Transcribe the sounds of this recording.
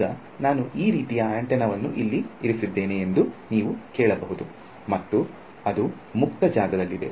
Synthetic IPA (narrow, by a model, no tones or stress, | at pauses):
ɐ | naːnuʔiːɾiːt̪ijɐɐɳʈɛnɐʋɐnːuʔilːiiɾisid̪ːe̞ːneːnd̪uniːʋukɛːɭɐbɐɦud̪u | mɐt̪ːu | ɐd̪u | muk̚t̪ɐd͡ʒaːɡɐd̪ɐlːid̪e̞̰